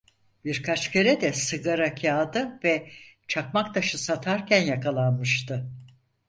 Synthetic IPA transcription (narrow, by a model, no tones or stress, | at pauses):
biɾkʰat͡ʃcʰeɾɛd̪ɛsɯɡaɾakʰaːd̪ɯvɛt͡ʃʰak̚makt̪ʰaʃɯsat̪ʰaɾcʰænjakʰalˠanmɯʃt̪ʰɯ